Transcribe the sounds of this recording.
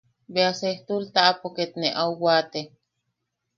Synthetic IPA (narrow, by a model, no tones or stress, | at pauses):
beaseht̪ult̪aʔapoket̪neʔawwat̪e